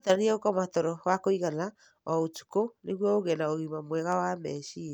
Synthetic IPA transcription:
otaɾiɛokɔmatɔɾɔɣakoiɣana | ɔot͡ʃu̥koneɣwɔoɣɛnaoɣimamwɛɣawamɛʃie

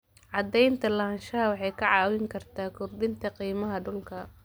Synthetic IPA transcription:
ʕɑd̪ɛjnt̪ʰɐlɐɐnʃɐɦɐwɑħɑjkʰɐʕɑːwɪŋkʰɐrt̪ʰaːkʰʊrbɪnt̪ʰɐqiːmɐɦɐɖʊlkʰɐ

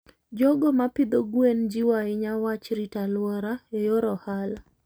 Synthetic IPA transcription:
d͡ʒɔɡɔmapɪd̪oɡwend͡ʒiwaɪɲawat͡ʃɾitalwɔɾaejoɾɔhala

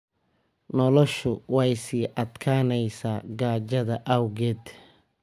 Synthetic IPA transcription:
nɔlɔʃʊwɑjsiːʔɐd̪kʰaːnɛjsaːɡaːd͡ʒɐðɐʔɐwɡɛːd̪

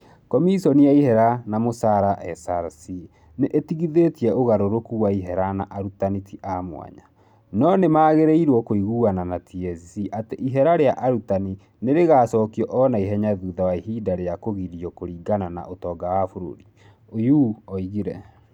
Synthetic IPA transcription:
kɔmisɔniaiɦɛɾanamosaɾaʔɛsaɾsi | neʔetiɣiðetiɛoɣaɾoɾokuwaiɦɛɾanaʔaɾutanitʰiʔamw̰a̰ɲa | nɔnemaːɣeɾeiɾwɔkoiɣuːananatʰiɛzisiʔateʔiɦɛɾaɾeaʔaɾutani | neɾeɣaːsɔːkiɔʔɔnaiɦɛɲaðuːðawaiɦiːdaɾeakoɣiɾiɔkoɾiːɡanana̰ʔotɔːɡawafoɾo̰ɾi | ojuːɔiɣiɾɛ

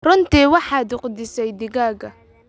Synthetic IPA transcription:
rɔnt̪iːwɑħɑːd̪ʊqd̪ɪsɛjd̪ɪɣaːɣɐ

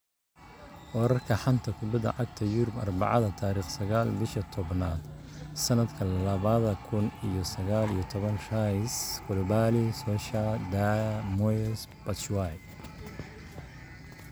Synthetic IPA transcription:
wɔɾɐrkʰɐħɑnt̪ʰɐkʰʊbɐd̪ɐ̰ʕɑɡ̚t̪ʰɐjʊɾʊbɐ̰rbɑ̰ʕɑ̰ðɐt̪ʰaːɾiːχsɐɣaːlbɪʃɐt̪ʰɔbnaːd̪sɐnɐd̪kʰɐlɐβɐðɐkʰʊnijɔsɐɣaːlijɔt̪ʰɔβɐnʃaskʰɔlɔbaːlisɔːʃɐd̪amɔsbɐt͡ʃwaj

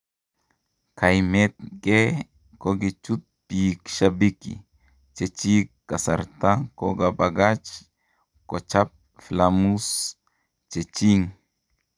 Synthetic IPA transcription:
kajmet̪̚ke | koɡit͡ʃut̪̚pikʃabikḭ | t͡ʃet͡ʃikasa̰ɾt̪akoɡabaɡat͡ʃ | kot͡ʃap̚ | flamus | t͡ʃet͡ʃiŋ

